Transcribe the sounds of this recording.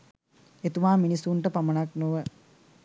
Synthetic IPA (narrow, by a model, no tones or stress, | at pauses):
et̪uʋaːminisuɳʈəpamənaknoʋə